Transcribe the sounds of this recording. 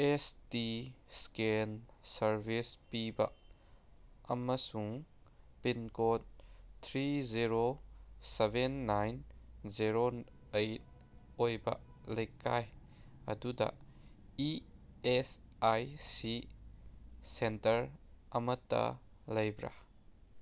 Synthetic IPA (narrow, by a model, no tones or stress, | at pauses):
ɛstiskensɐɾvispiba̰ʔ | ʔɐmasuŋpinkɔt̪̚t̪ʰɾiziɾosɛvɛnːajnziɾo | ejt̚ | ʔɔjba̰ʔ | lejkaj | ʔɐ̰dud̪a̰ʔ | iɛsajsi | sɛntɐɾʔɐmɐt̪ːɐ̰ | lejbɾa̰